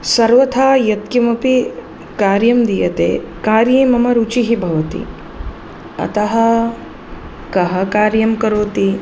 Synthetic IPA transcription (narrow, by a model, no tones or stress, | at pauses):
sɐɾʋɐt̪ʰaːjɐt̪̚kɐmɐpi | kaːɾjɐmd̪ijɐt̪ḛː | kaːɾjeːmɐmɐɾut͡ʃiɦibʱɐʋɐt̪ḭ | ɐ̰t̪ɐɦɐ̆ | kɐɦɐkaːɾjɐmkɐɾoːt̪i